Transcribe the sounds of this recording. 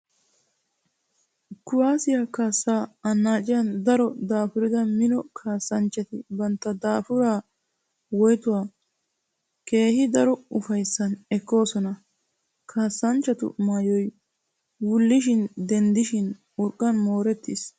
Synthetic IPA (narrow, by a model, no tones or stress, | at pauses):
kːʊwaːsɪjakaːsːaːɐnːaːt͡ʃʼɪjɐnd̪ɐɾɔd̪aːfʊɾɪd̪ɐmɪnɔkʰaːsːɐnt͡ʃːɐt̪ɪbɐnt̪ːɐd̪aːfʊɾaː | wɔjt̪ʊwaː | ke̞ːhɪd̪ɐɾɔʊfɐjsːɐnɛkːo̞ːsɔnɐ | kʰaːsːɐnt͡ʃːɐt̪ʊ̰maːjɔj | wʊlːɪʃ̬ɪnd̪ɛnd̪ɪʃɪn | ʊɾkʼːɐnmo̞ːɾɛt̪ːɪs